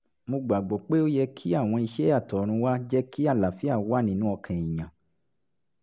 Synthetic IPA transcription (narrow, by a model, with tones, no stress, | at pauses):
mo˧ɡ͡ba˨ɡ͡bɔ˨k͡pe˦o˦jɛ˧kʰi˦a˦˨w̃ɔ̃˧i˧ʃɛ˦a˦˨tɔ˨ɾ̃ũ˧wa˦d͡ʒɛ˦ki˦a˦˨la˨fi˦a˦˨˦wa˦˨nĩ˧˦nũ˦ɔ˧kʰɛ̃˨ĩ˨ɲã˨